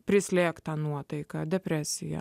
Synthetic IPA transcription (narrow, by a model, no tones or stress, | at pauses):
pʲɾʲɪsʲlʲeːkt̪ɑnuɔt̪ɐɪkɑd̪ʲɛpʲɾʲæsʲɪjɛ̰